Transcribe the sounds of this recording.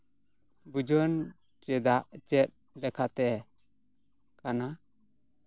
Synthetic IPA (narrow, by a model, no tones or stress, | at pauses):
bud͡ʒən | t͡ʃɛd̪aʔt͡ʃɛt̪̚ | lɛkʰat̪ɛ | kana